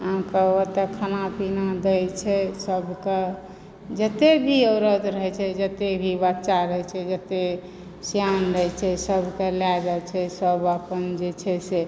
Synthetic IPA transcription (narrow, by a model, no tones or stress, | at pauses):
ɦãkeət̪ekʰənapinad̪əjt͡ʃʰɛsəbʱke | d͡ʒət̪ebʱiəwɾəd̪ɾəɦɛt͡ʃʰɛd͡ʒət̪ebʱibət̪ːt͡ʃaɾəɦɛt͡ʃʰɛd͡ʒət̪e | sjanɾəɦɛt͡ʃʰɛsəbʱkeljad͡ʒat͡ʃʰɛsəbəpənd͡ʒet͡ʃʰɛse